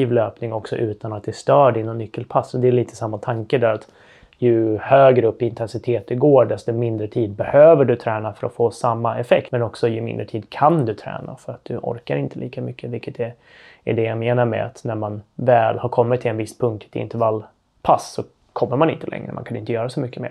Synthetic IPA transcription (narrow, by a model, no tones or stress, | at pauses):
iːvløːpnɪŋɔksɔ̰ʔʉ̟ːt̪anat̪̚d̪ɛst̪œːɖɪnːɔnːʏkːəlpʰasːɔd̪ɛliːt̪ʰə̥samːat̪ʰaŋkəd̪æɾat̪ | jɵhøːɡɾəɵpːɪnt̪ʰɛnsɪt̪ʰeːt̪̚d̪ɛɡoːɖɛst̪ɔmɪnd̪ɾət̪ʰiːd̪̚bɛhøːvəɖɵt̪ʰɾɛːnafœɾɔfoːsamːaɛfɛkt̪mɛnɔksɔjɵmɪ̰nd̪ɾəʈʰiːd̪kʰand̪ɵt̪ʰɾɛ̰ːna̰fœɾat̪̚d̪̥ɵʔɔ̰ɾkaɾɪnt̪ʰəliːkamʏkʰːəvɪlkːət̪ɛ | ɛɖɛjameːnaɾmɛ̰a̰t̪næɾmanvɛːlhaɾkʰɔmːɪt̪ʰːɪlɛnvɪsːpʰɵŋk̚t̪ʰɛ̥t̪ʰɪ̰nt̪əɾvalː | pʰasːɔ | kʰɔmːəɾmanɪ̰nt̪əlɛ̰ŋːɾə̰ma̰nkʰanɪnt̪əjœːɾasɔmʏkːəmḛːɾ